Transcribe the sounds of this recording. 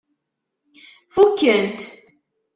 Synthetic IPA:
fukːəɾənt̪

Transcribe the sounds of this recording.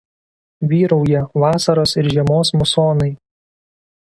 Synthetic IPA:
ʋʲiːɾɐʊjɛʋɑːsɐɾoːsɪɾʒʲiɛmoːsmʊsoːnɐɪ

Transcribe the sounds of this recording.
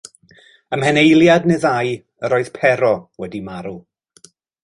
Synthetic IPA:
əmhɛnejlˠjadnɨðaj | əɾoːɨð̥pʰɛɾɔwɛdimaɾu

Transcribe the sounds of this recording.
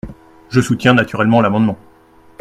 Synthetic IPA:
ʒəsut̪jɛ̃nat̪yʁɛlmɑ̃lamɑ̃d̪mɑ̃

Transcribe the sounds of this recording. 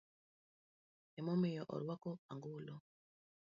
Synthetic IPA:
ɛmɔmejɔʔɔ̰ɾwakɔa̰ŋɡulɔ

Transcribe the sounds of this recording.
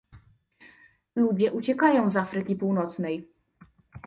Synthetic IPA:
lud͡ʑɛʔut͡ɕɛkajɔ̃w̃zafɾɘkʲipuwnɔt̪snɛj

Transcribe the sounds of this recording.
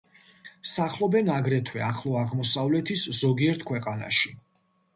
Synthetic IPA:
saχlˠɔbɛnaɡɾɛt̪ʰwɛaχlˠɔaʁmɔsavlɛt̪ʰisz̥ɔɡiɛɾt̪ʰkʰwɛqʼana̰ʃi

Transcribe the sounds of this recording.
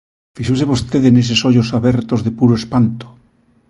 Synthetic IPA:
fiʃos̬eβost̪eðenes̬esoʎosaβeɾt̪ozðepuɾoespant̪o̥

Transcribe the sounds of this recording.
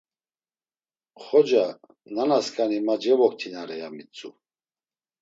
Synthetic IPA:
χɔd͡ʒa | nanaskʼanimad͡ʒɛvɔk̚t̪ʰinaɾɛjamit͡sʼu

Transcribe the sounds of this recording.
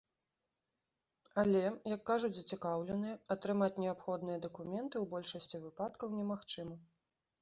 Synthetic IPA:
ɐlʲɛjɐkːaʐut͡sʲzɐt͡sʲikawlʲɛnɨjɐɐt̪ɾɨmat͡sʲnʲɛapxɔd̪nɨjɐd̪ɐkumʲɛnt̪ɨwbɔlʲʂɐsʲt͡sʲivɨpat̪kɐwnʲɛmaxt͡ʂɨmɐ

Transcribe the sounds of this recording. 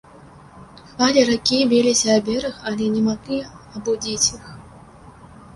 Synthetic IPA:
xvalʲiɾakʲibʲelʲisʲɐːbʲɛɾɨxalʲɛnʲɛmaɣlʲi | abud͡zʲit͡sʲix

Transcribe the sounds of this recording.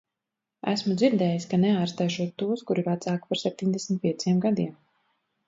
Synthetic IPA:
æ̰smud̪ziɾd̪ɛːjisʲkanɛaːɾst̪ajʃuɔt̪ːuɔskuɾivat̪saːku̥paɾsɛp̚ʲt̪ʲiɲʲd̪ɛsmit̪̚piɛt̪sʲiɛmɡad̪iɛm

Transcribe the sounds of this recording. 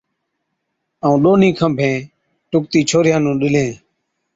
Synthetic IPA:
əũːɗoːnĩːkʰə̃mbʱẽː | ʈʊk̚t̪iːt͡ʃʰoːɾɪjãːnũːɗɪlẽː

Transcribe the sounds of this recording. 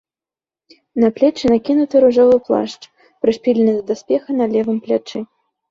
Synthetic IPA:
nɐplʲɛt͡ʂɨnakʲinut̪ɨɾuʐɔvɨplˠa̰ʂt͡ʂ | pɾɨspʲilʲɪnɨd̪ɐd̪aspʲɛxɐnɐlʲɛvɨmplʲat͡ʂɨ

